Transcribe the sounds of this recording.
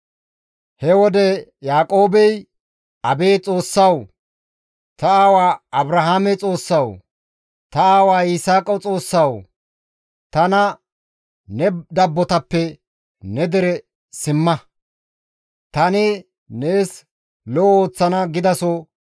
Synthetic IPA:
hɛwɔd̪ɛjaːkʼo̞ːbɛj | ɐbeːt͡sʼo̞ːsːɐw | t̪ɐaːwaːɐbɾɐɦaːmɛt͡sʼo̞ːsːɐw | t̪ɐaːwaːɪsaːkʼɐwt͡sʼo̞ːsːɐw | t̪ɐnɐ | nɛd̪ɐbːɔt̪ɐpːɛ | nɛd̪ɛɾɛ | sɪmːɐ | t̪ɐnɪ | ne̞ːs | lɔoːt͡sːɐnɐɡɪd̪ɐsɔ

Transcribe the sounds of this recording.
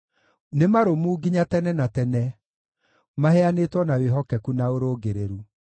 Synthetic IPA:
nemaɾomuːɡiɲatɛnɛnatɛnɛ | mahɛanetwɔnaweɦɔkɛkunaoɾoːɡeɾeɾu

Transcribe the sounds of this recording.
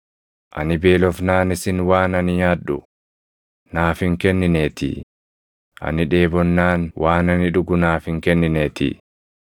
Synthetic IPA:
ʔɐ̰nɪbe̞ːlɔfnaːnɪsɪnwaːnɐnɪjaːᶑːʊ̰ | naːfɪŋkɛnːɪneːt̪ḭː | ʔɐ̰nɪᶑe̞ːbɔnːaːnwʔaːnɐnɪᶑʊɡʊnaːfɪŋkɛnːɪneːt̪ḭː

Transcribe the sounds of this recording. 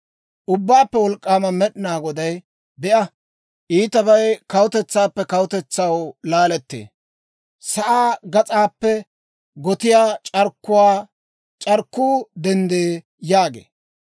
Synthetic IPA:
ʔʊbːaːpːɛwɔlkʼːaːmɐmɛɗɪnaːɡɔd̪ɐj | bɛʔɐ | ʔiːt̪ɐβɐjkɐwʊt̪ɛt͡sːaːpːɛkɐwt̪ɛt͡sːɐwlaːlɛt̪ːḛː | sɐʔaːɡɐt͡sʼaːpːɛ | ɡɔt̪ɪjaːt͡ʃʼɐɾkːʊwaː | t͡ʃʼɐɾkːuːd̪ɛnd̪eː | jaːɡḛː

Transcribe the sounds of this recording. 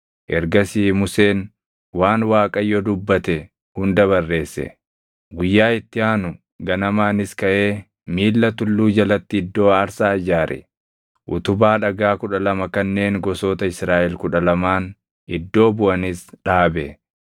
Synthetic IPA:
ʔɛɾɡɐsiːmʊseːn | waːnwaːkʼɐjːod̪ʊbːɐt̪ɛ | hʊnd̪ɐβɐrːe̞ːsːɛ̰ | ɡʊjːaːɪt̪ːɪaːnʊ | ɡɐnɐmaːnɪskɐʔe̞ː | miːlːɐt̪ʊlːuːd͡ʒɐlɐt̪ːɪɪd̪ːo̞ːɐɾsaːɐd͡ʒaːɾɛ̰ | ʔʊt̪ʊbaːᶑɐɡaːkʊᶑɐlɐmɐkɐnːe̞ːŋɡɔso̞ːt̪ɐɪsɾaːʔɛlkʊᶑɐlɐmaːn | ɪd̪ːo̞ːbʊʔɐnɪsᶑaːbɛ

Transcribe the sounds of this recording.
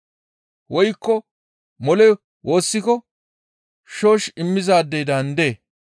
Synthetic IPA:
wɔjkːɔ | mɔlɛ | wo̞ːsːɪkɔ | ʃo̞ːʃɪmːɪzaːd̪ːɛjd̪ɐnd̪e̞ː

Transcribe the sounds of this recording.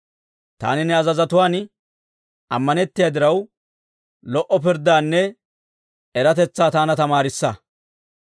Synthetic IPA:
t̪a̰ːnɪnɛɐzɐzɐt̪ʊwaːn | ʔɐ̰mːɐnɛt̪ːɪjɐd̪ɪɾɐw | lɔʔɔpɪɾd̪aːnːɛ | ɛɾɐt̪ɛt͡sːaːt̪aːnɐt̪ɐmaːɾɪsːɐ

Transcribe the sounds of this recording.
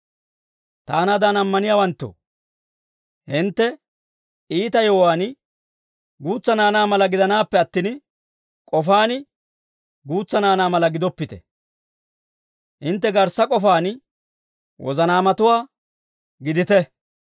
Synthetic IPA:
t̪aːnɐd̪aːnɐmːɐnɪjaːwɐnt̪ːo̰ | hɪnt̪ːɛ | iːt̪ɐjɔwaːnɪ | ɡuːt͡sːɐnaːnaːmɐlɐɡɪd̪ɐnaːpːɛɐt̪ːɪn | kʼɔfaːnɪ | ɡuːt͡sːɐnaːnaːmɐlɐɡɪd̪ɔpːɪt̪ɛ̥̰ | hɪnt̪̬ːɛɡɐɾsɐkʼɔfaːnɪ | wʔɔ̰zɐnaːmɐt̪ʊwaː | ɡɪd̪ɪt̪ɛ

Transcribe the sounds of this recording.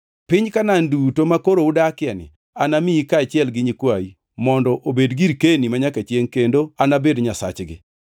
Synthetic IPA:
pɪɲkanandutomakoɾoʊdakɪjanɪ̰ | anamɪikat͡ʃɪɛlɡɪɲikwai | mɔndɔʔobedɡiɾkenimaɲakat͡ʃjeŋkendoanabedɲasa̰t͡ʃɡɪ̰

